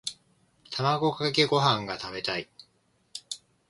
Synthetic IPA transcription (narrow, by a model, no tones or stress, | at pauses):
t̪ʰamaɡo̞kakakeɡo̞ɦãŋɡat̪abe̞t̪ai